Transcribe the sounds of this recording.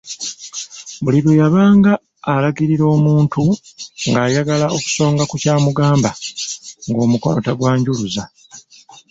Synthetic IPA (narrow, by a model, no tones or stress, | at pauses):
βuliβojaβaːŋɡaː | laɡiɾiɾo̞ːmuːntuŋɡaːjaɡalaʔo̞ku̥so̞ːŋɡakucaːmuɡaːmba | ŋɡo̞ːmukonotaɡwaːɲɟuluza